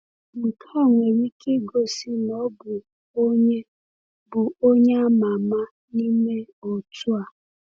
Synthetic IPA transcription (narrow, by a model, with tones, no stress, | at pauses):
m̩˨kʰɔ˦˨ŋʷe˨ɾi˦kʰe˦ɡo˨si˦nɔ˦bʊ˨ | o˦ɲe˦ | bʊ˨o˦ɲe˦a˦ma˨ma˦ | ni˦me˦o˨tu˦a˨